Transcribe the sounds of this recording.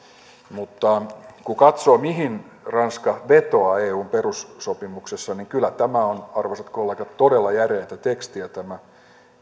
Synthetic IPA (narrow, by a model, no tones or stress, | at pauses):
mut̪ːɑkukɑt̪soːmiɦin | rɑnskɑʋet̪oɑeːuːmperusːopimuksesːɑniŋkylːˑæt̪æmæonɑrʋɑsɑt̪kolːeɡɑt̪todelːɑjæreːt̪æt̪ekst̪iæt̪æmæ